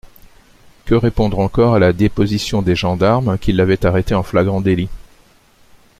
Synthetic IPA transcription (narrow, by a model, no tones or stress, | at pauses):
kəʁepɔ̃d̪ʁɑ̃kɔʁalad̪epɔzisjɔ̃d̪eʒɑ̃d̪aʁmkʲilːavɛt̪aʁet̪eɑ̃flaɡʁɑ̃d̪eli